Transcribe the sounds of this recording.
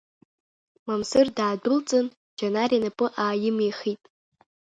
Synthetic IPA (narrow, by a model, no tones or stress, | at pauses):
mamsɨrdaːdʊlt͡sʼɨn | d͡ʒanaɾianapʼɨʔaːjɪmiχitʼ